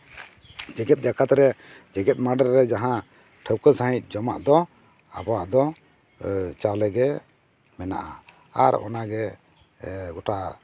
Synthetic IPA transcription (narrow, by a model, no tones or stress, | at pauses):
d͡ʒɛɡɛt̪̚d͡ʒakat̪ɾɛ | d͡ʒɛɡɛt̪̚maɖəɾːɛd͡ʒaɦã | ʈʰəwkəsaɦĩt̪̚ˀd͡ʒɔma̰ʔd̪ɔ | a̰bɔwaʔd̪ɔ | t͡ʃalɛɡɛ | mɛna̰ʔa | aɾɔ̰naɡɛ | ɡɔʈa